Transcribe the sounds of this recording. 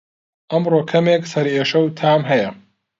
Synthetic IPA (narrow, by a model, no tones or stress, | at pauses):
ʔɐmroːkʰɐmeːksɐɾeːʃɐwt̪ʰaːmɦɐjɐ